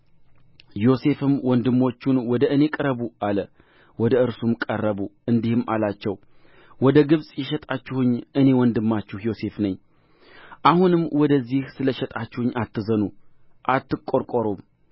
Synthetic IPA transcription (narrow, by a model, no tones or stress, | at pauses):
jo̞se̞fɨmwɔnd̪ɨmːo̞t͡ʃːunwɔd̪əʔɨne̞kʼɨɾəβuʔalə | wɔd̪əɨɾsumkʼərːəβuɨnd̪ihɨmalat͡ʃːɛw | wɔd̪əɡɨβsʼjɛʃɛt̪ʼat͡ʃːɪhʊɲːɨne̞wɔnd̪ɨmːat͡ʃːɪhjo̞se̞fnəɲː | ʔahunɨmːwɔd̪əzːihsɨləʃɛt̪ʼat͡ʃːɪhʊɲːat̪ːɨzənu | ʔat̪ːɨkʼːo̞ɾkʼoɾom